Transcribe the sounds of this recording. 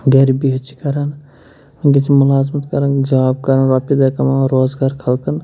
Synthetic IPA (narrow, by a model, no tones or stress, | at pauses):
ɡɐɾibiɦɐt͡ʃʰi̥kɐɾɐn | ŋɡit͡ʃʰimʊlaːzmɐt̪kɐɾɐnd͡ʒɐʋaːb̚kɐɾɐnɾaːpid̪ɐkɐmaɾoːzɡaːɾkʰɐlkɐn